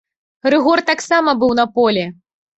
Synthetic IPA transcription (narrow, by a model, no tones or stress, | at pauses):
rɨɣɔrt̪aksamɐbɨwnɐpɔlʲɛ